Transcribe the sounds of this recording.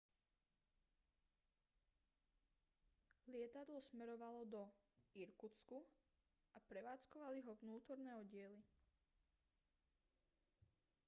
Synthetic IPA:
lɪɛt̪ad̪lɔsmɛɾɔʋalɔd̪ɔiɾkut͡sku | apɾɛʋaːt͡skɔʋaliɦɔʋnuːt̪ɔɾnɛːɔɟɪɛli

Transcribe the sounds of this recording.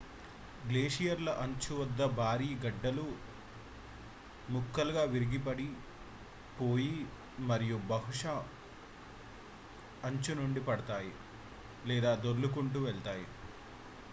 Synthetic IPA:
ɡleːʂijɐɾlɐʔɐɲt͡ʃuʋɐd̪ːɐbʱaːɾiːɡɐɖːɐlu | mukːɐluɡaːʋiɾiɡipɐɽi | po̞ːji | mɐɾijubɐɦuʂɐ | ɐɲt͡ʃunuɳɖipɐɽɐt̪aːji | lɛːd̪aːd̪oɾlukuɳʈuʋɛɭt̪aːji

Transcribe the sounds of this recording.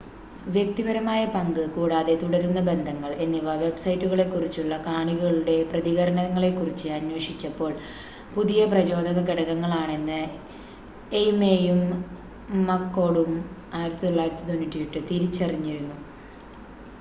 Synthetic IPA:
ʋjek̚t̪ibɐɾɐmaːjɐpɐŋɡɨkuːɽaːðe̞t̪uɽɐɾunːɐbe̞nd̪ʱɐŋːɐɭe̞nːiʋɐʋe̞bsɐjitːuɣɐɭe̞kːurit͡ɕːuɭːɐkaːɳiɣɐɭuɽe̞prɐðiɣɐɾɐɳɐŋːɐɭe̞kːurit͡ɕːɨɐnwɐʂit͡ɕːɐpːo̞ːɭ | puðijɐprɐd͡ʑo̞ːd̪ɐɣɐkiɽɐɣɐŋːɐɭaːɳe̞nːɨ | ejmejumː | ɐkːo̞ːɽumaːjiɾɐt̪ːit̪oɭːaːjiɾɐt̪ːit̪o̞nːitːijiʈːɨt̪iɾit͡ɕːɐriɲːiɾunːu

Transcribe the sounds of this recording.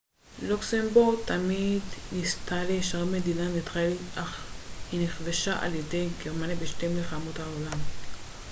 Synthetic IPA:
luksembuʁt̪amidnistaleʃaʁmed̪inanet̪χaelʔaχhineχveʃaʔa̰ljedejɡeʁmanibeʃtemleχamut̪haolam

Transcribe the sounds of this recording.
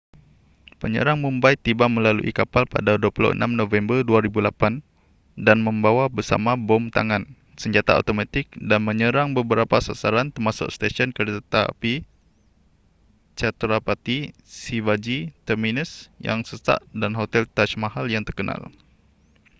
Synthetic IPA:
pəɲə̰ɾaŋmumbajt̪ibamə̃lalṵʔḭkapalpa̰daduəpulo̰ʔə̰nʔamnovɛmbərduaɾibulapan | danmə̃mbawabərsa̰mabɔmt̪a̰ŋãn | səɲd͡ʒat̪aa̰t̪omat̪ɪk̚danməɲəɾaŋbəbəɾapasasaɾant̪ərmasʊ̰ʔst̪aʃɔnkərt̪api | t͡ʃat̪ɾapat̪isivad͡ʒit̪əminəsja̰ŋsəsa̰ʔdanɦot̪ɛlt̪aʃmaɦaljaŋt̪ərkəna̰l

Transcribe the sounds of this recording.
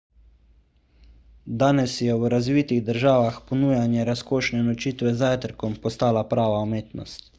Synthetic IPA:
d̪aːnɛsjɛwɾazʋiːt̪iɣd̪əɾʒaːʋaxpɔnuːjanjɛɾaskoːʃnɛnɔt͡ʃiːt̪ʋɛzaːjt̪əɾkɔmpɔst̪aːlapɾaːʋaumeːt̪nɔ̰st̪

